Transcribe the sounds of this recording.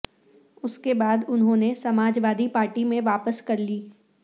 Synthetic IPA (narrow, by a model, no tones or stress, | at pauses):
ʊskebaːd̪ʊnɦõːnesɐmaːd͡ʒʋaːd̪ipaːɾʈimẽʋaːpəskɐɾliː